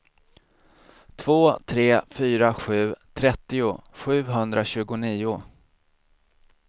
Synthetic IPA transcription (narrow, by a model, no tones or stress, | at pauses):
t̪ʰvoːt̪ʰɾeːfyːɾaɧʉ̟ːt̪ʰɾɛt̪ːɪʊɧʉ̟ːɦɵnd̪ɾaɕʉ̟ːɡʊniːʊ